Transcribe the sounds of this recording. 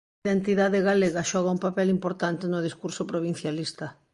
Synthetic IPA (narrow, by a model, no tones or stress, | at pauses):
ðent̪iðaðɪɣaleɣɐʃɔɣ̞ɐumpapɛlimpoɾt̪ant̪ɪnʊð̞iskuɾsopɾoβ̞in̟θjalist̪ɐ